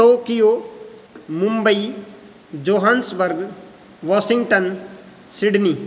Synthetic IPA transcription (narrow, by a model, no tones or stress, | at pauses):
ʈoːkijoː | mʊ̃mbəi | d͡ʒoːɦansbəɾɡ | ʋaːsɪ̃ŋɡʈən | sɪɖniː